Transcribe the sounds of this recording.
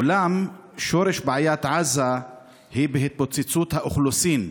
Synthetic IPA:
ulam | ʃoɾeʃbʕajat̪ʕaza | hibeɦit̪̚bot͡set͡sut̪haʔuχlusin

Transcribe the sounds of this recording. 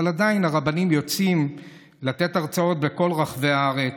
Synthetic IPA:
aladainaʁabanimjo̞t͡sim | lat̪e̞t̪aʁt͡sao̞t̪̚be̞ko̞lʁaχve̞aaʁe

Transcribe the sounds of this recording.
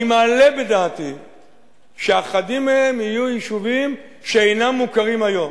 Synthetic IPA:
male̞bedaːt̪i | ʃeaχadimːehemijujiʃuvim | ʃeejnamːukaʁimajo̞m

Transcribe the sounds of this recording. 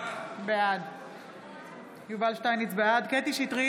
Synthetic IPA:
bead̪ | juvalʃt̪ajnit͡sbead̪ket̪iʃit̪ʁi

